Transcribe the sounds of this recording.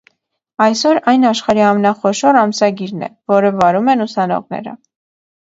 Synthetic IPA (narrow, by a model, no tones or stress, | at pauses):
ɑjsɔɾɑjnɑʃχɑɾiɑmɛnɑχɔʃɔɾɑmsɑɡiɾnɛ̰vɔɾəvɑɾumɛnusɑnɔ̰ʁnɛ̰ɾə̰